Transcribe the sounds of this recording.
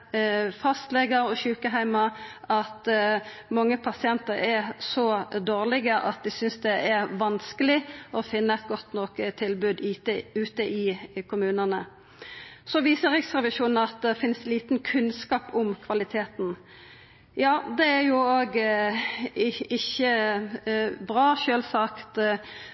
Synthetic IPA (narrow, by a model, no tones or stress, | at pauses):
fɑst̪lɛɡəɾɔɕʉːkəɦæɪmɑɑt̪ | mɑŋːəpʰɑsɪɛnt̪əɾɛʁsɔd̪oːʁlɪɡəʔɑ̰t̪̚d̪ɪsʏnsd̪ɛɛʁʋɑnskəlɪɔfɪnːəɛt̪̚ɡɔt̪nɔkt̪ʰɪlbʉːd̪ʉːt̪əʔɪkʰʊmʉːnənə | sɔʋiːsəʁɪksʁɛʋɪʃuːnn̩ɑt̪̚d̪ɛfɪnsliːt̪n̩kʰʉnskɑːpʊmkʰʋɑlɪt̪ʰeːt̪n̩ | jɑːd̪ɛæʁjʊoːɡ | ɪçːə | bʁɑːʃøːlsɑkt̪